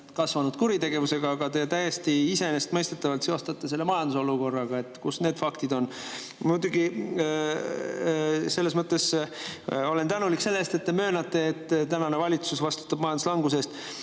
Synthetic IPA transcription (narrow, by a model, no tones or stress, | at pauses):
kɑsvɑnud̪̥kuɾit̪eɡ̥e̞vuse̞ɡ̥ɑːɡɑt̪e̞t̪æjest̪iise̞nest̪mɤ̞jst̪e̞t̪ːˑɑvɑlt̪seo̞st̪ɑt̪ːˑeselːemɑjɑnd̪̥uso̞luko̞rːɑɡ̥ɑe̞t̪ːˑkusne̞ːd̪̥fɑkt̪id̪o̞n | mud̪̥uɡi | se̞lːesmɤt̪ːˑe̞s | o̞lent̪ænulikse̞lːest̪e̞t̪ːe̞mø̞ːnɑt̪ːˑe̞ːt̪ːˑt̪ænɑne̞vɑlʲit̪susvɑst̪u̥t̪ːˑɑb̥̚mɑjɑnd̪uslɑŋɡus̬e̞st̪